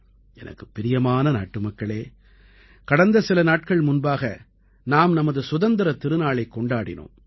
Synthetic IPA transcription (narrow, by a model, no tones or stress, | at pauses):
ʔɛnʔɐ̰kːɯpːɛɾɪjɐmaːnɐna̰ːʈːɯmɐkːɐɭeː | kɐɽɐnd̪ɐsɪlɐnaːʈkɐɭmʊnbaːɣɐ | naːmnɐmɐðɯsʊðɐnd̪ɪɾɐt̪ɪɾɯnaːɭɐɪkːɔɳɖaːɽɪ̰no̰ːm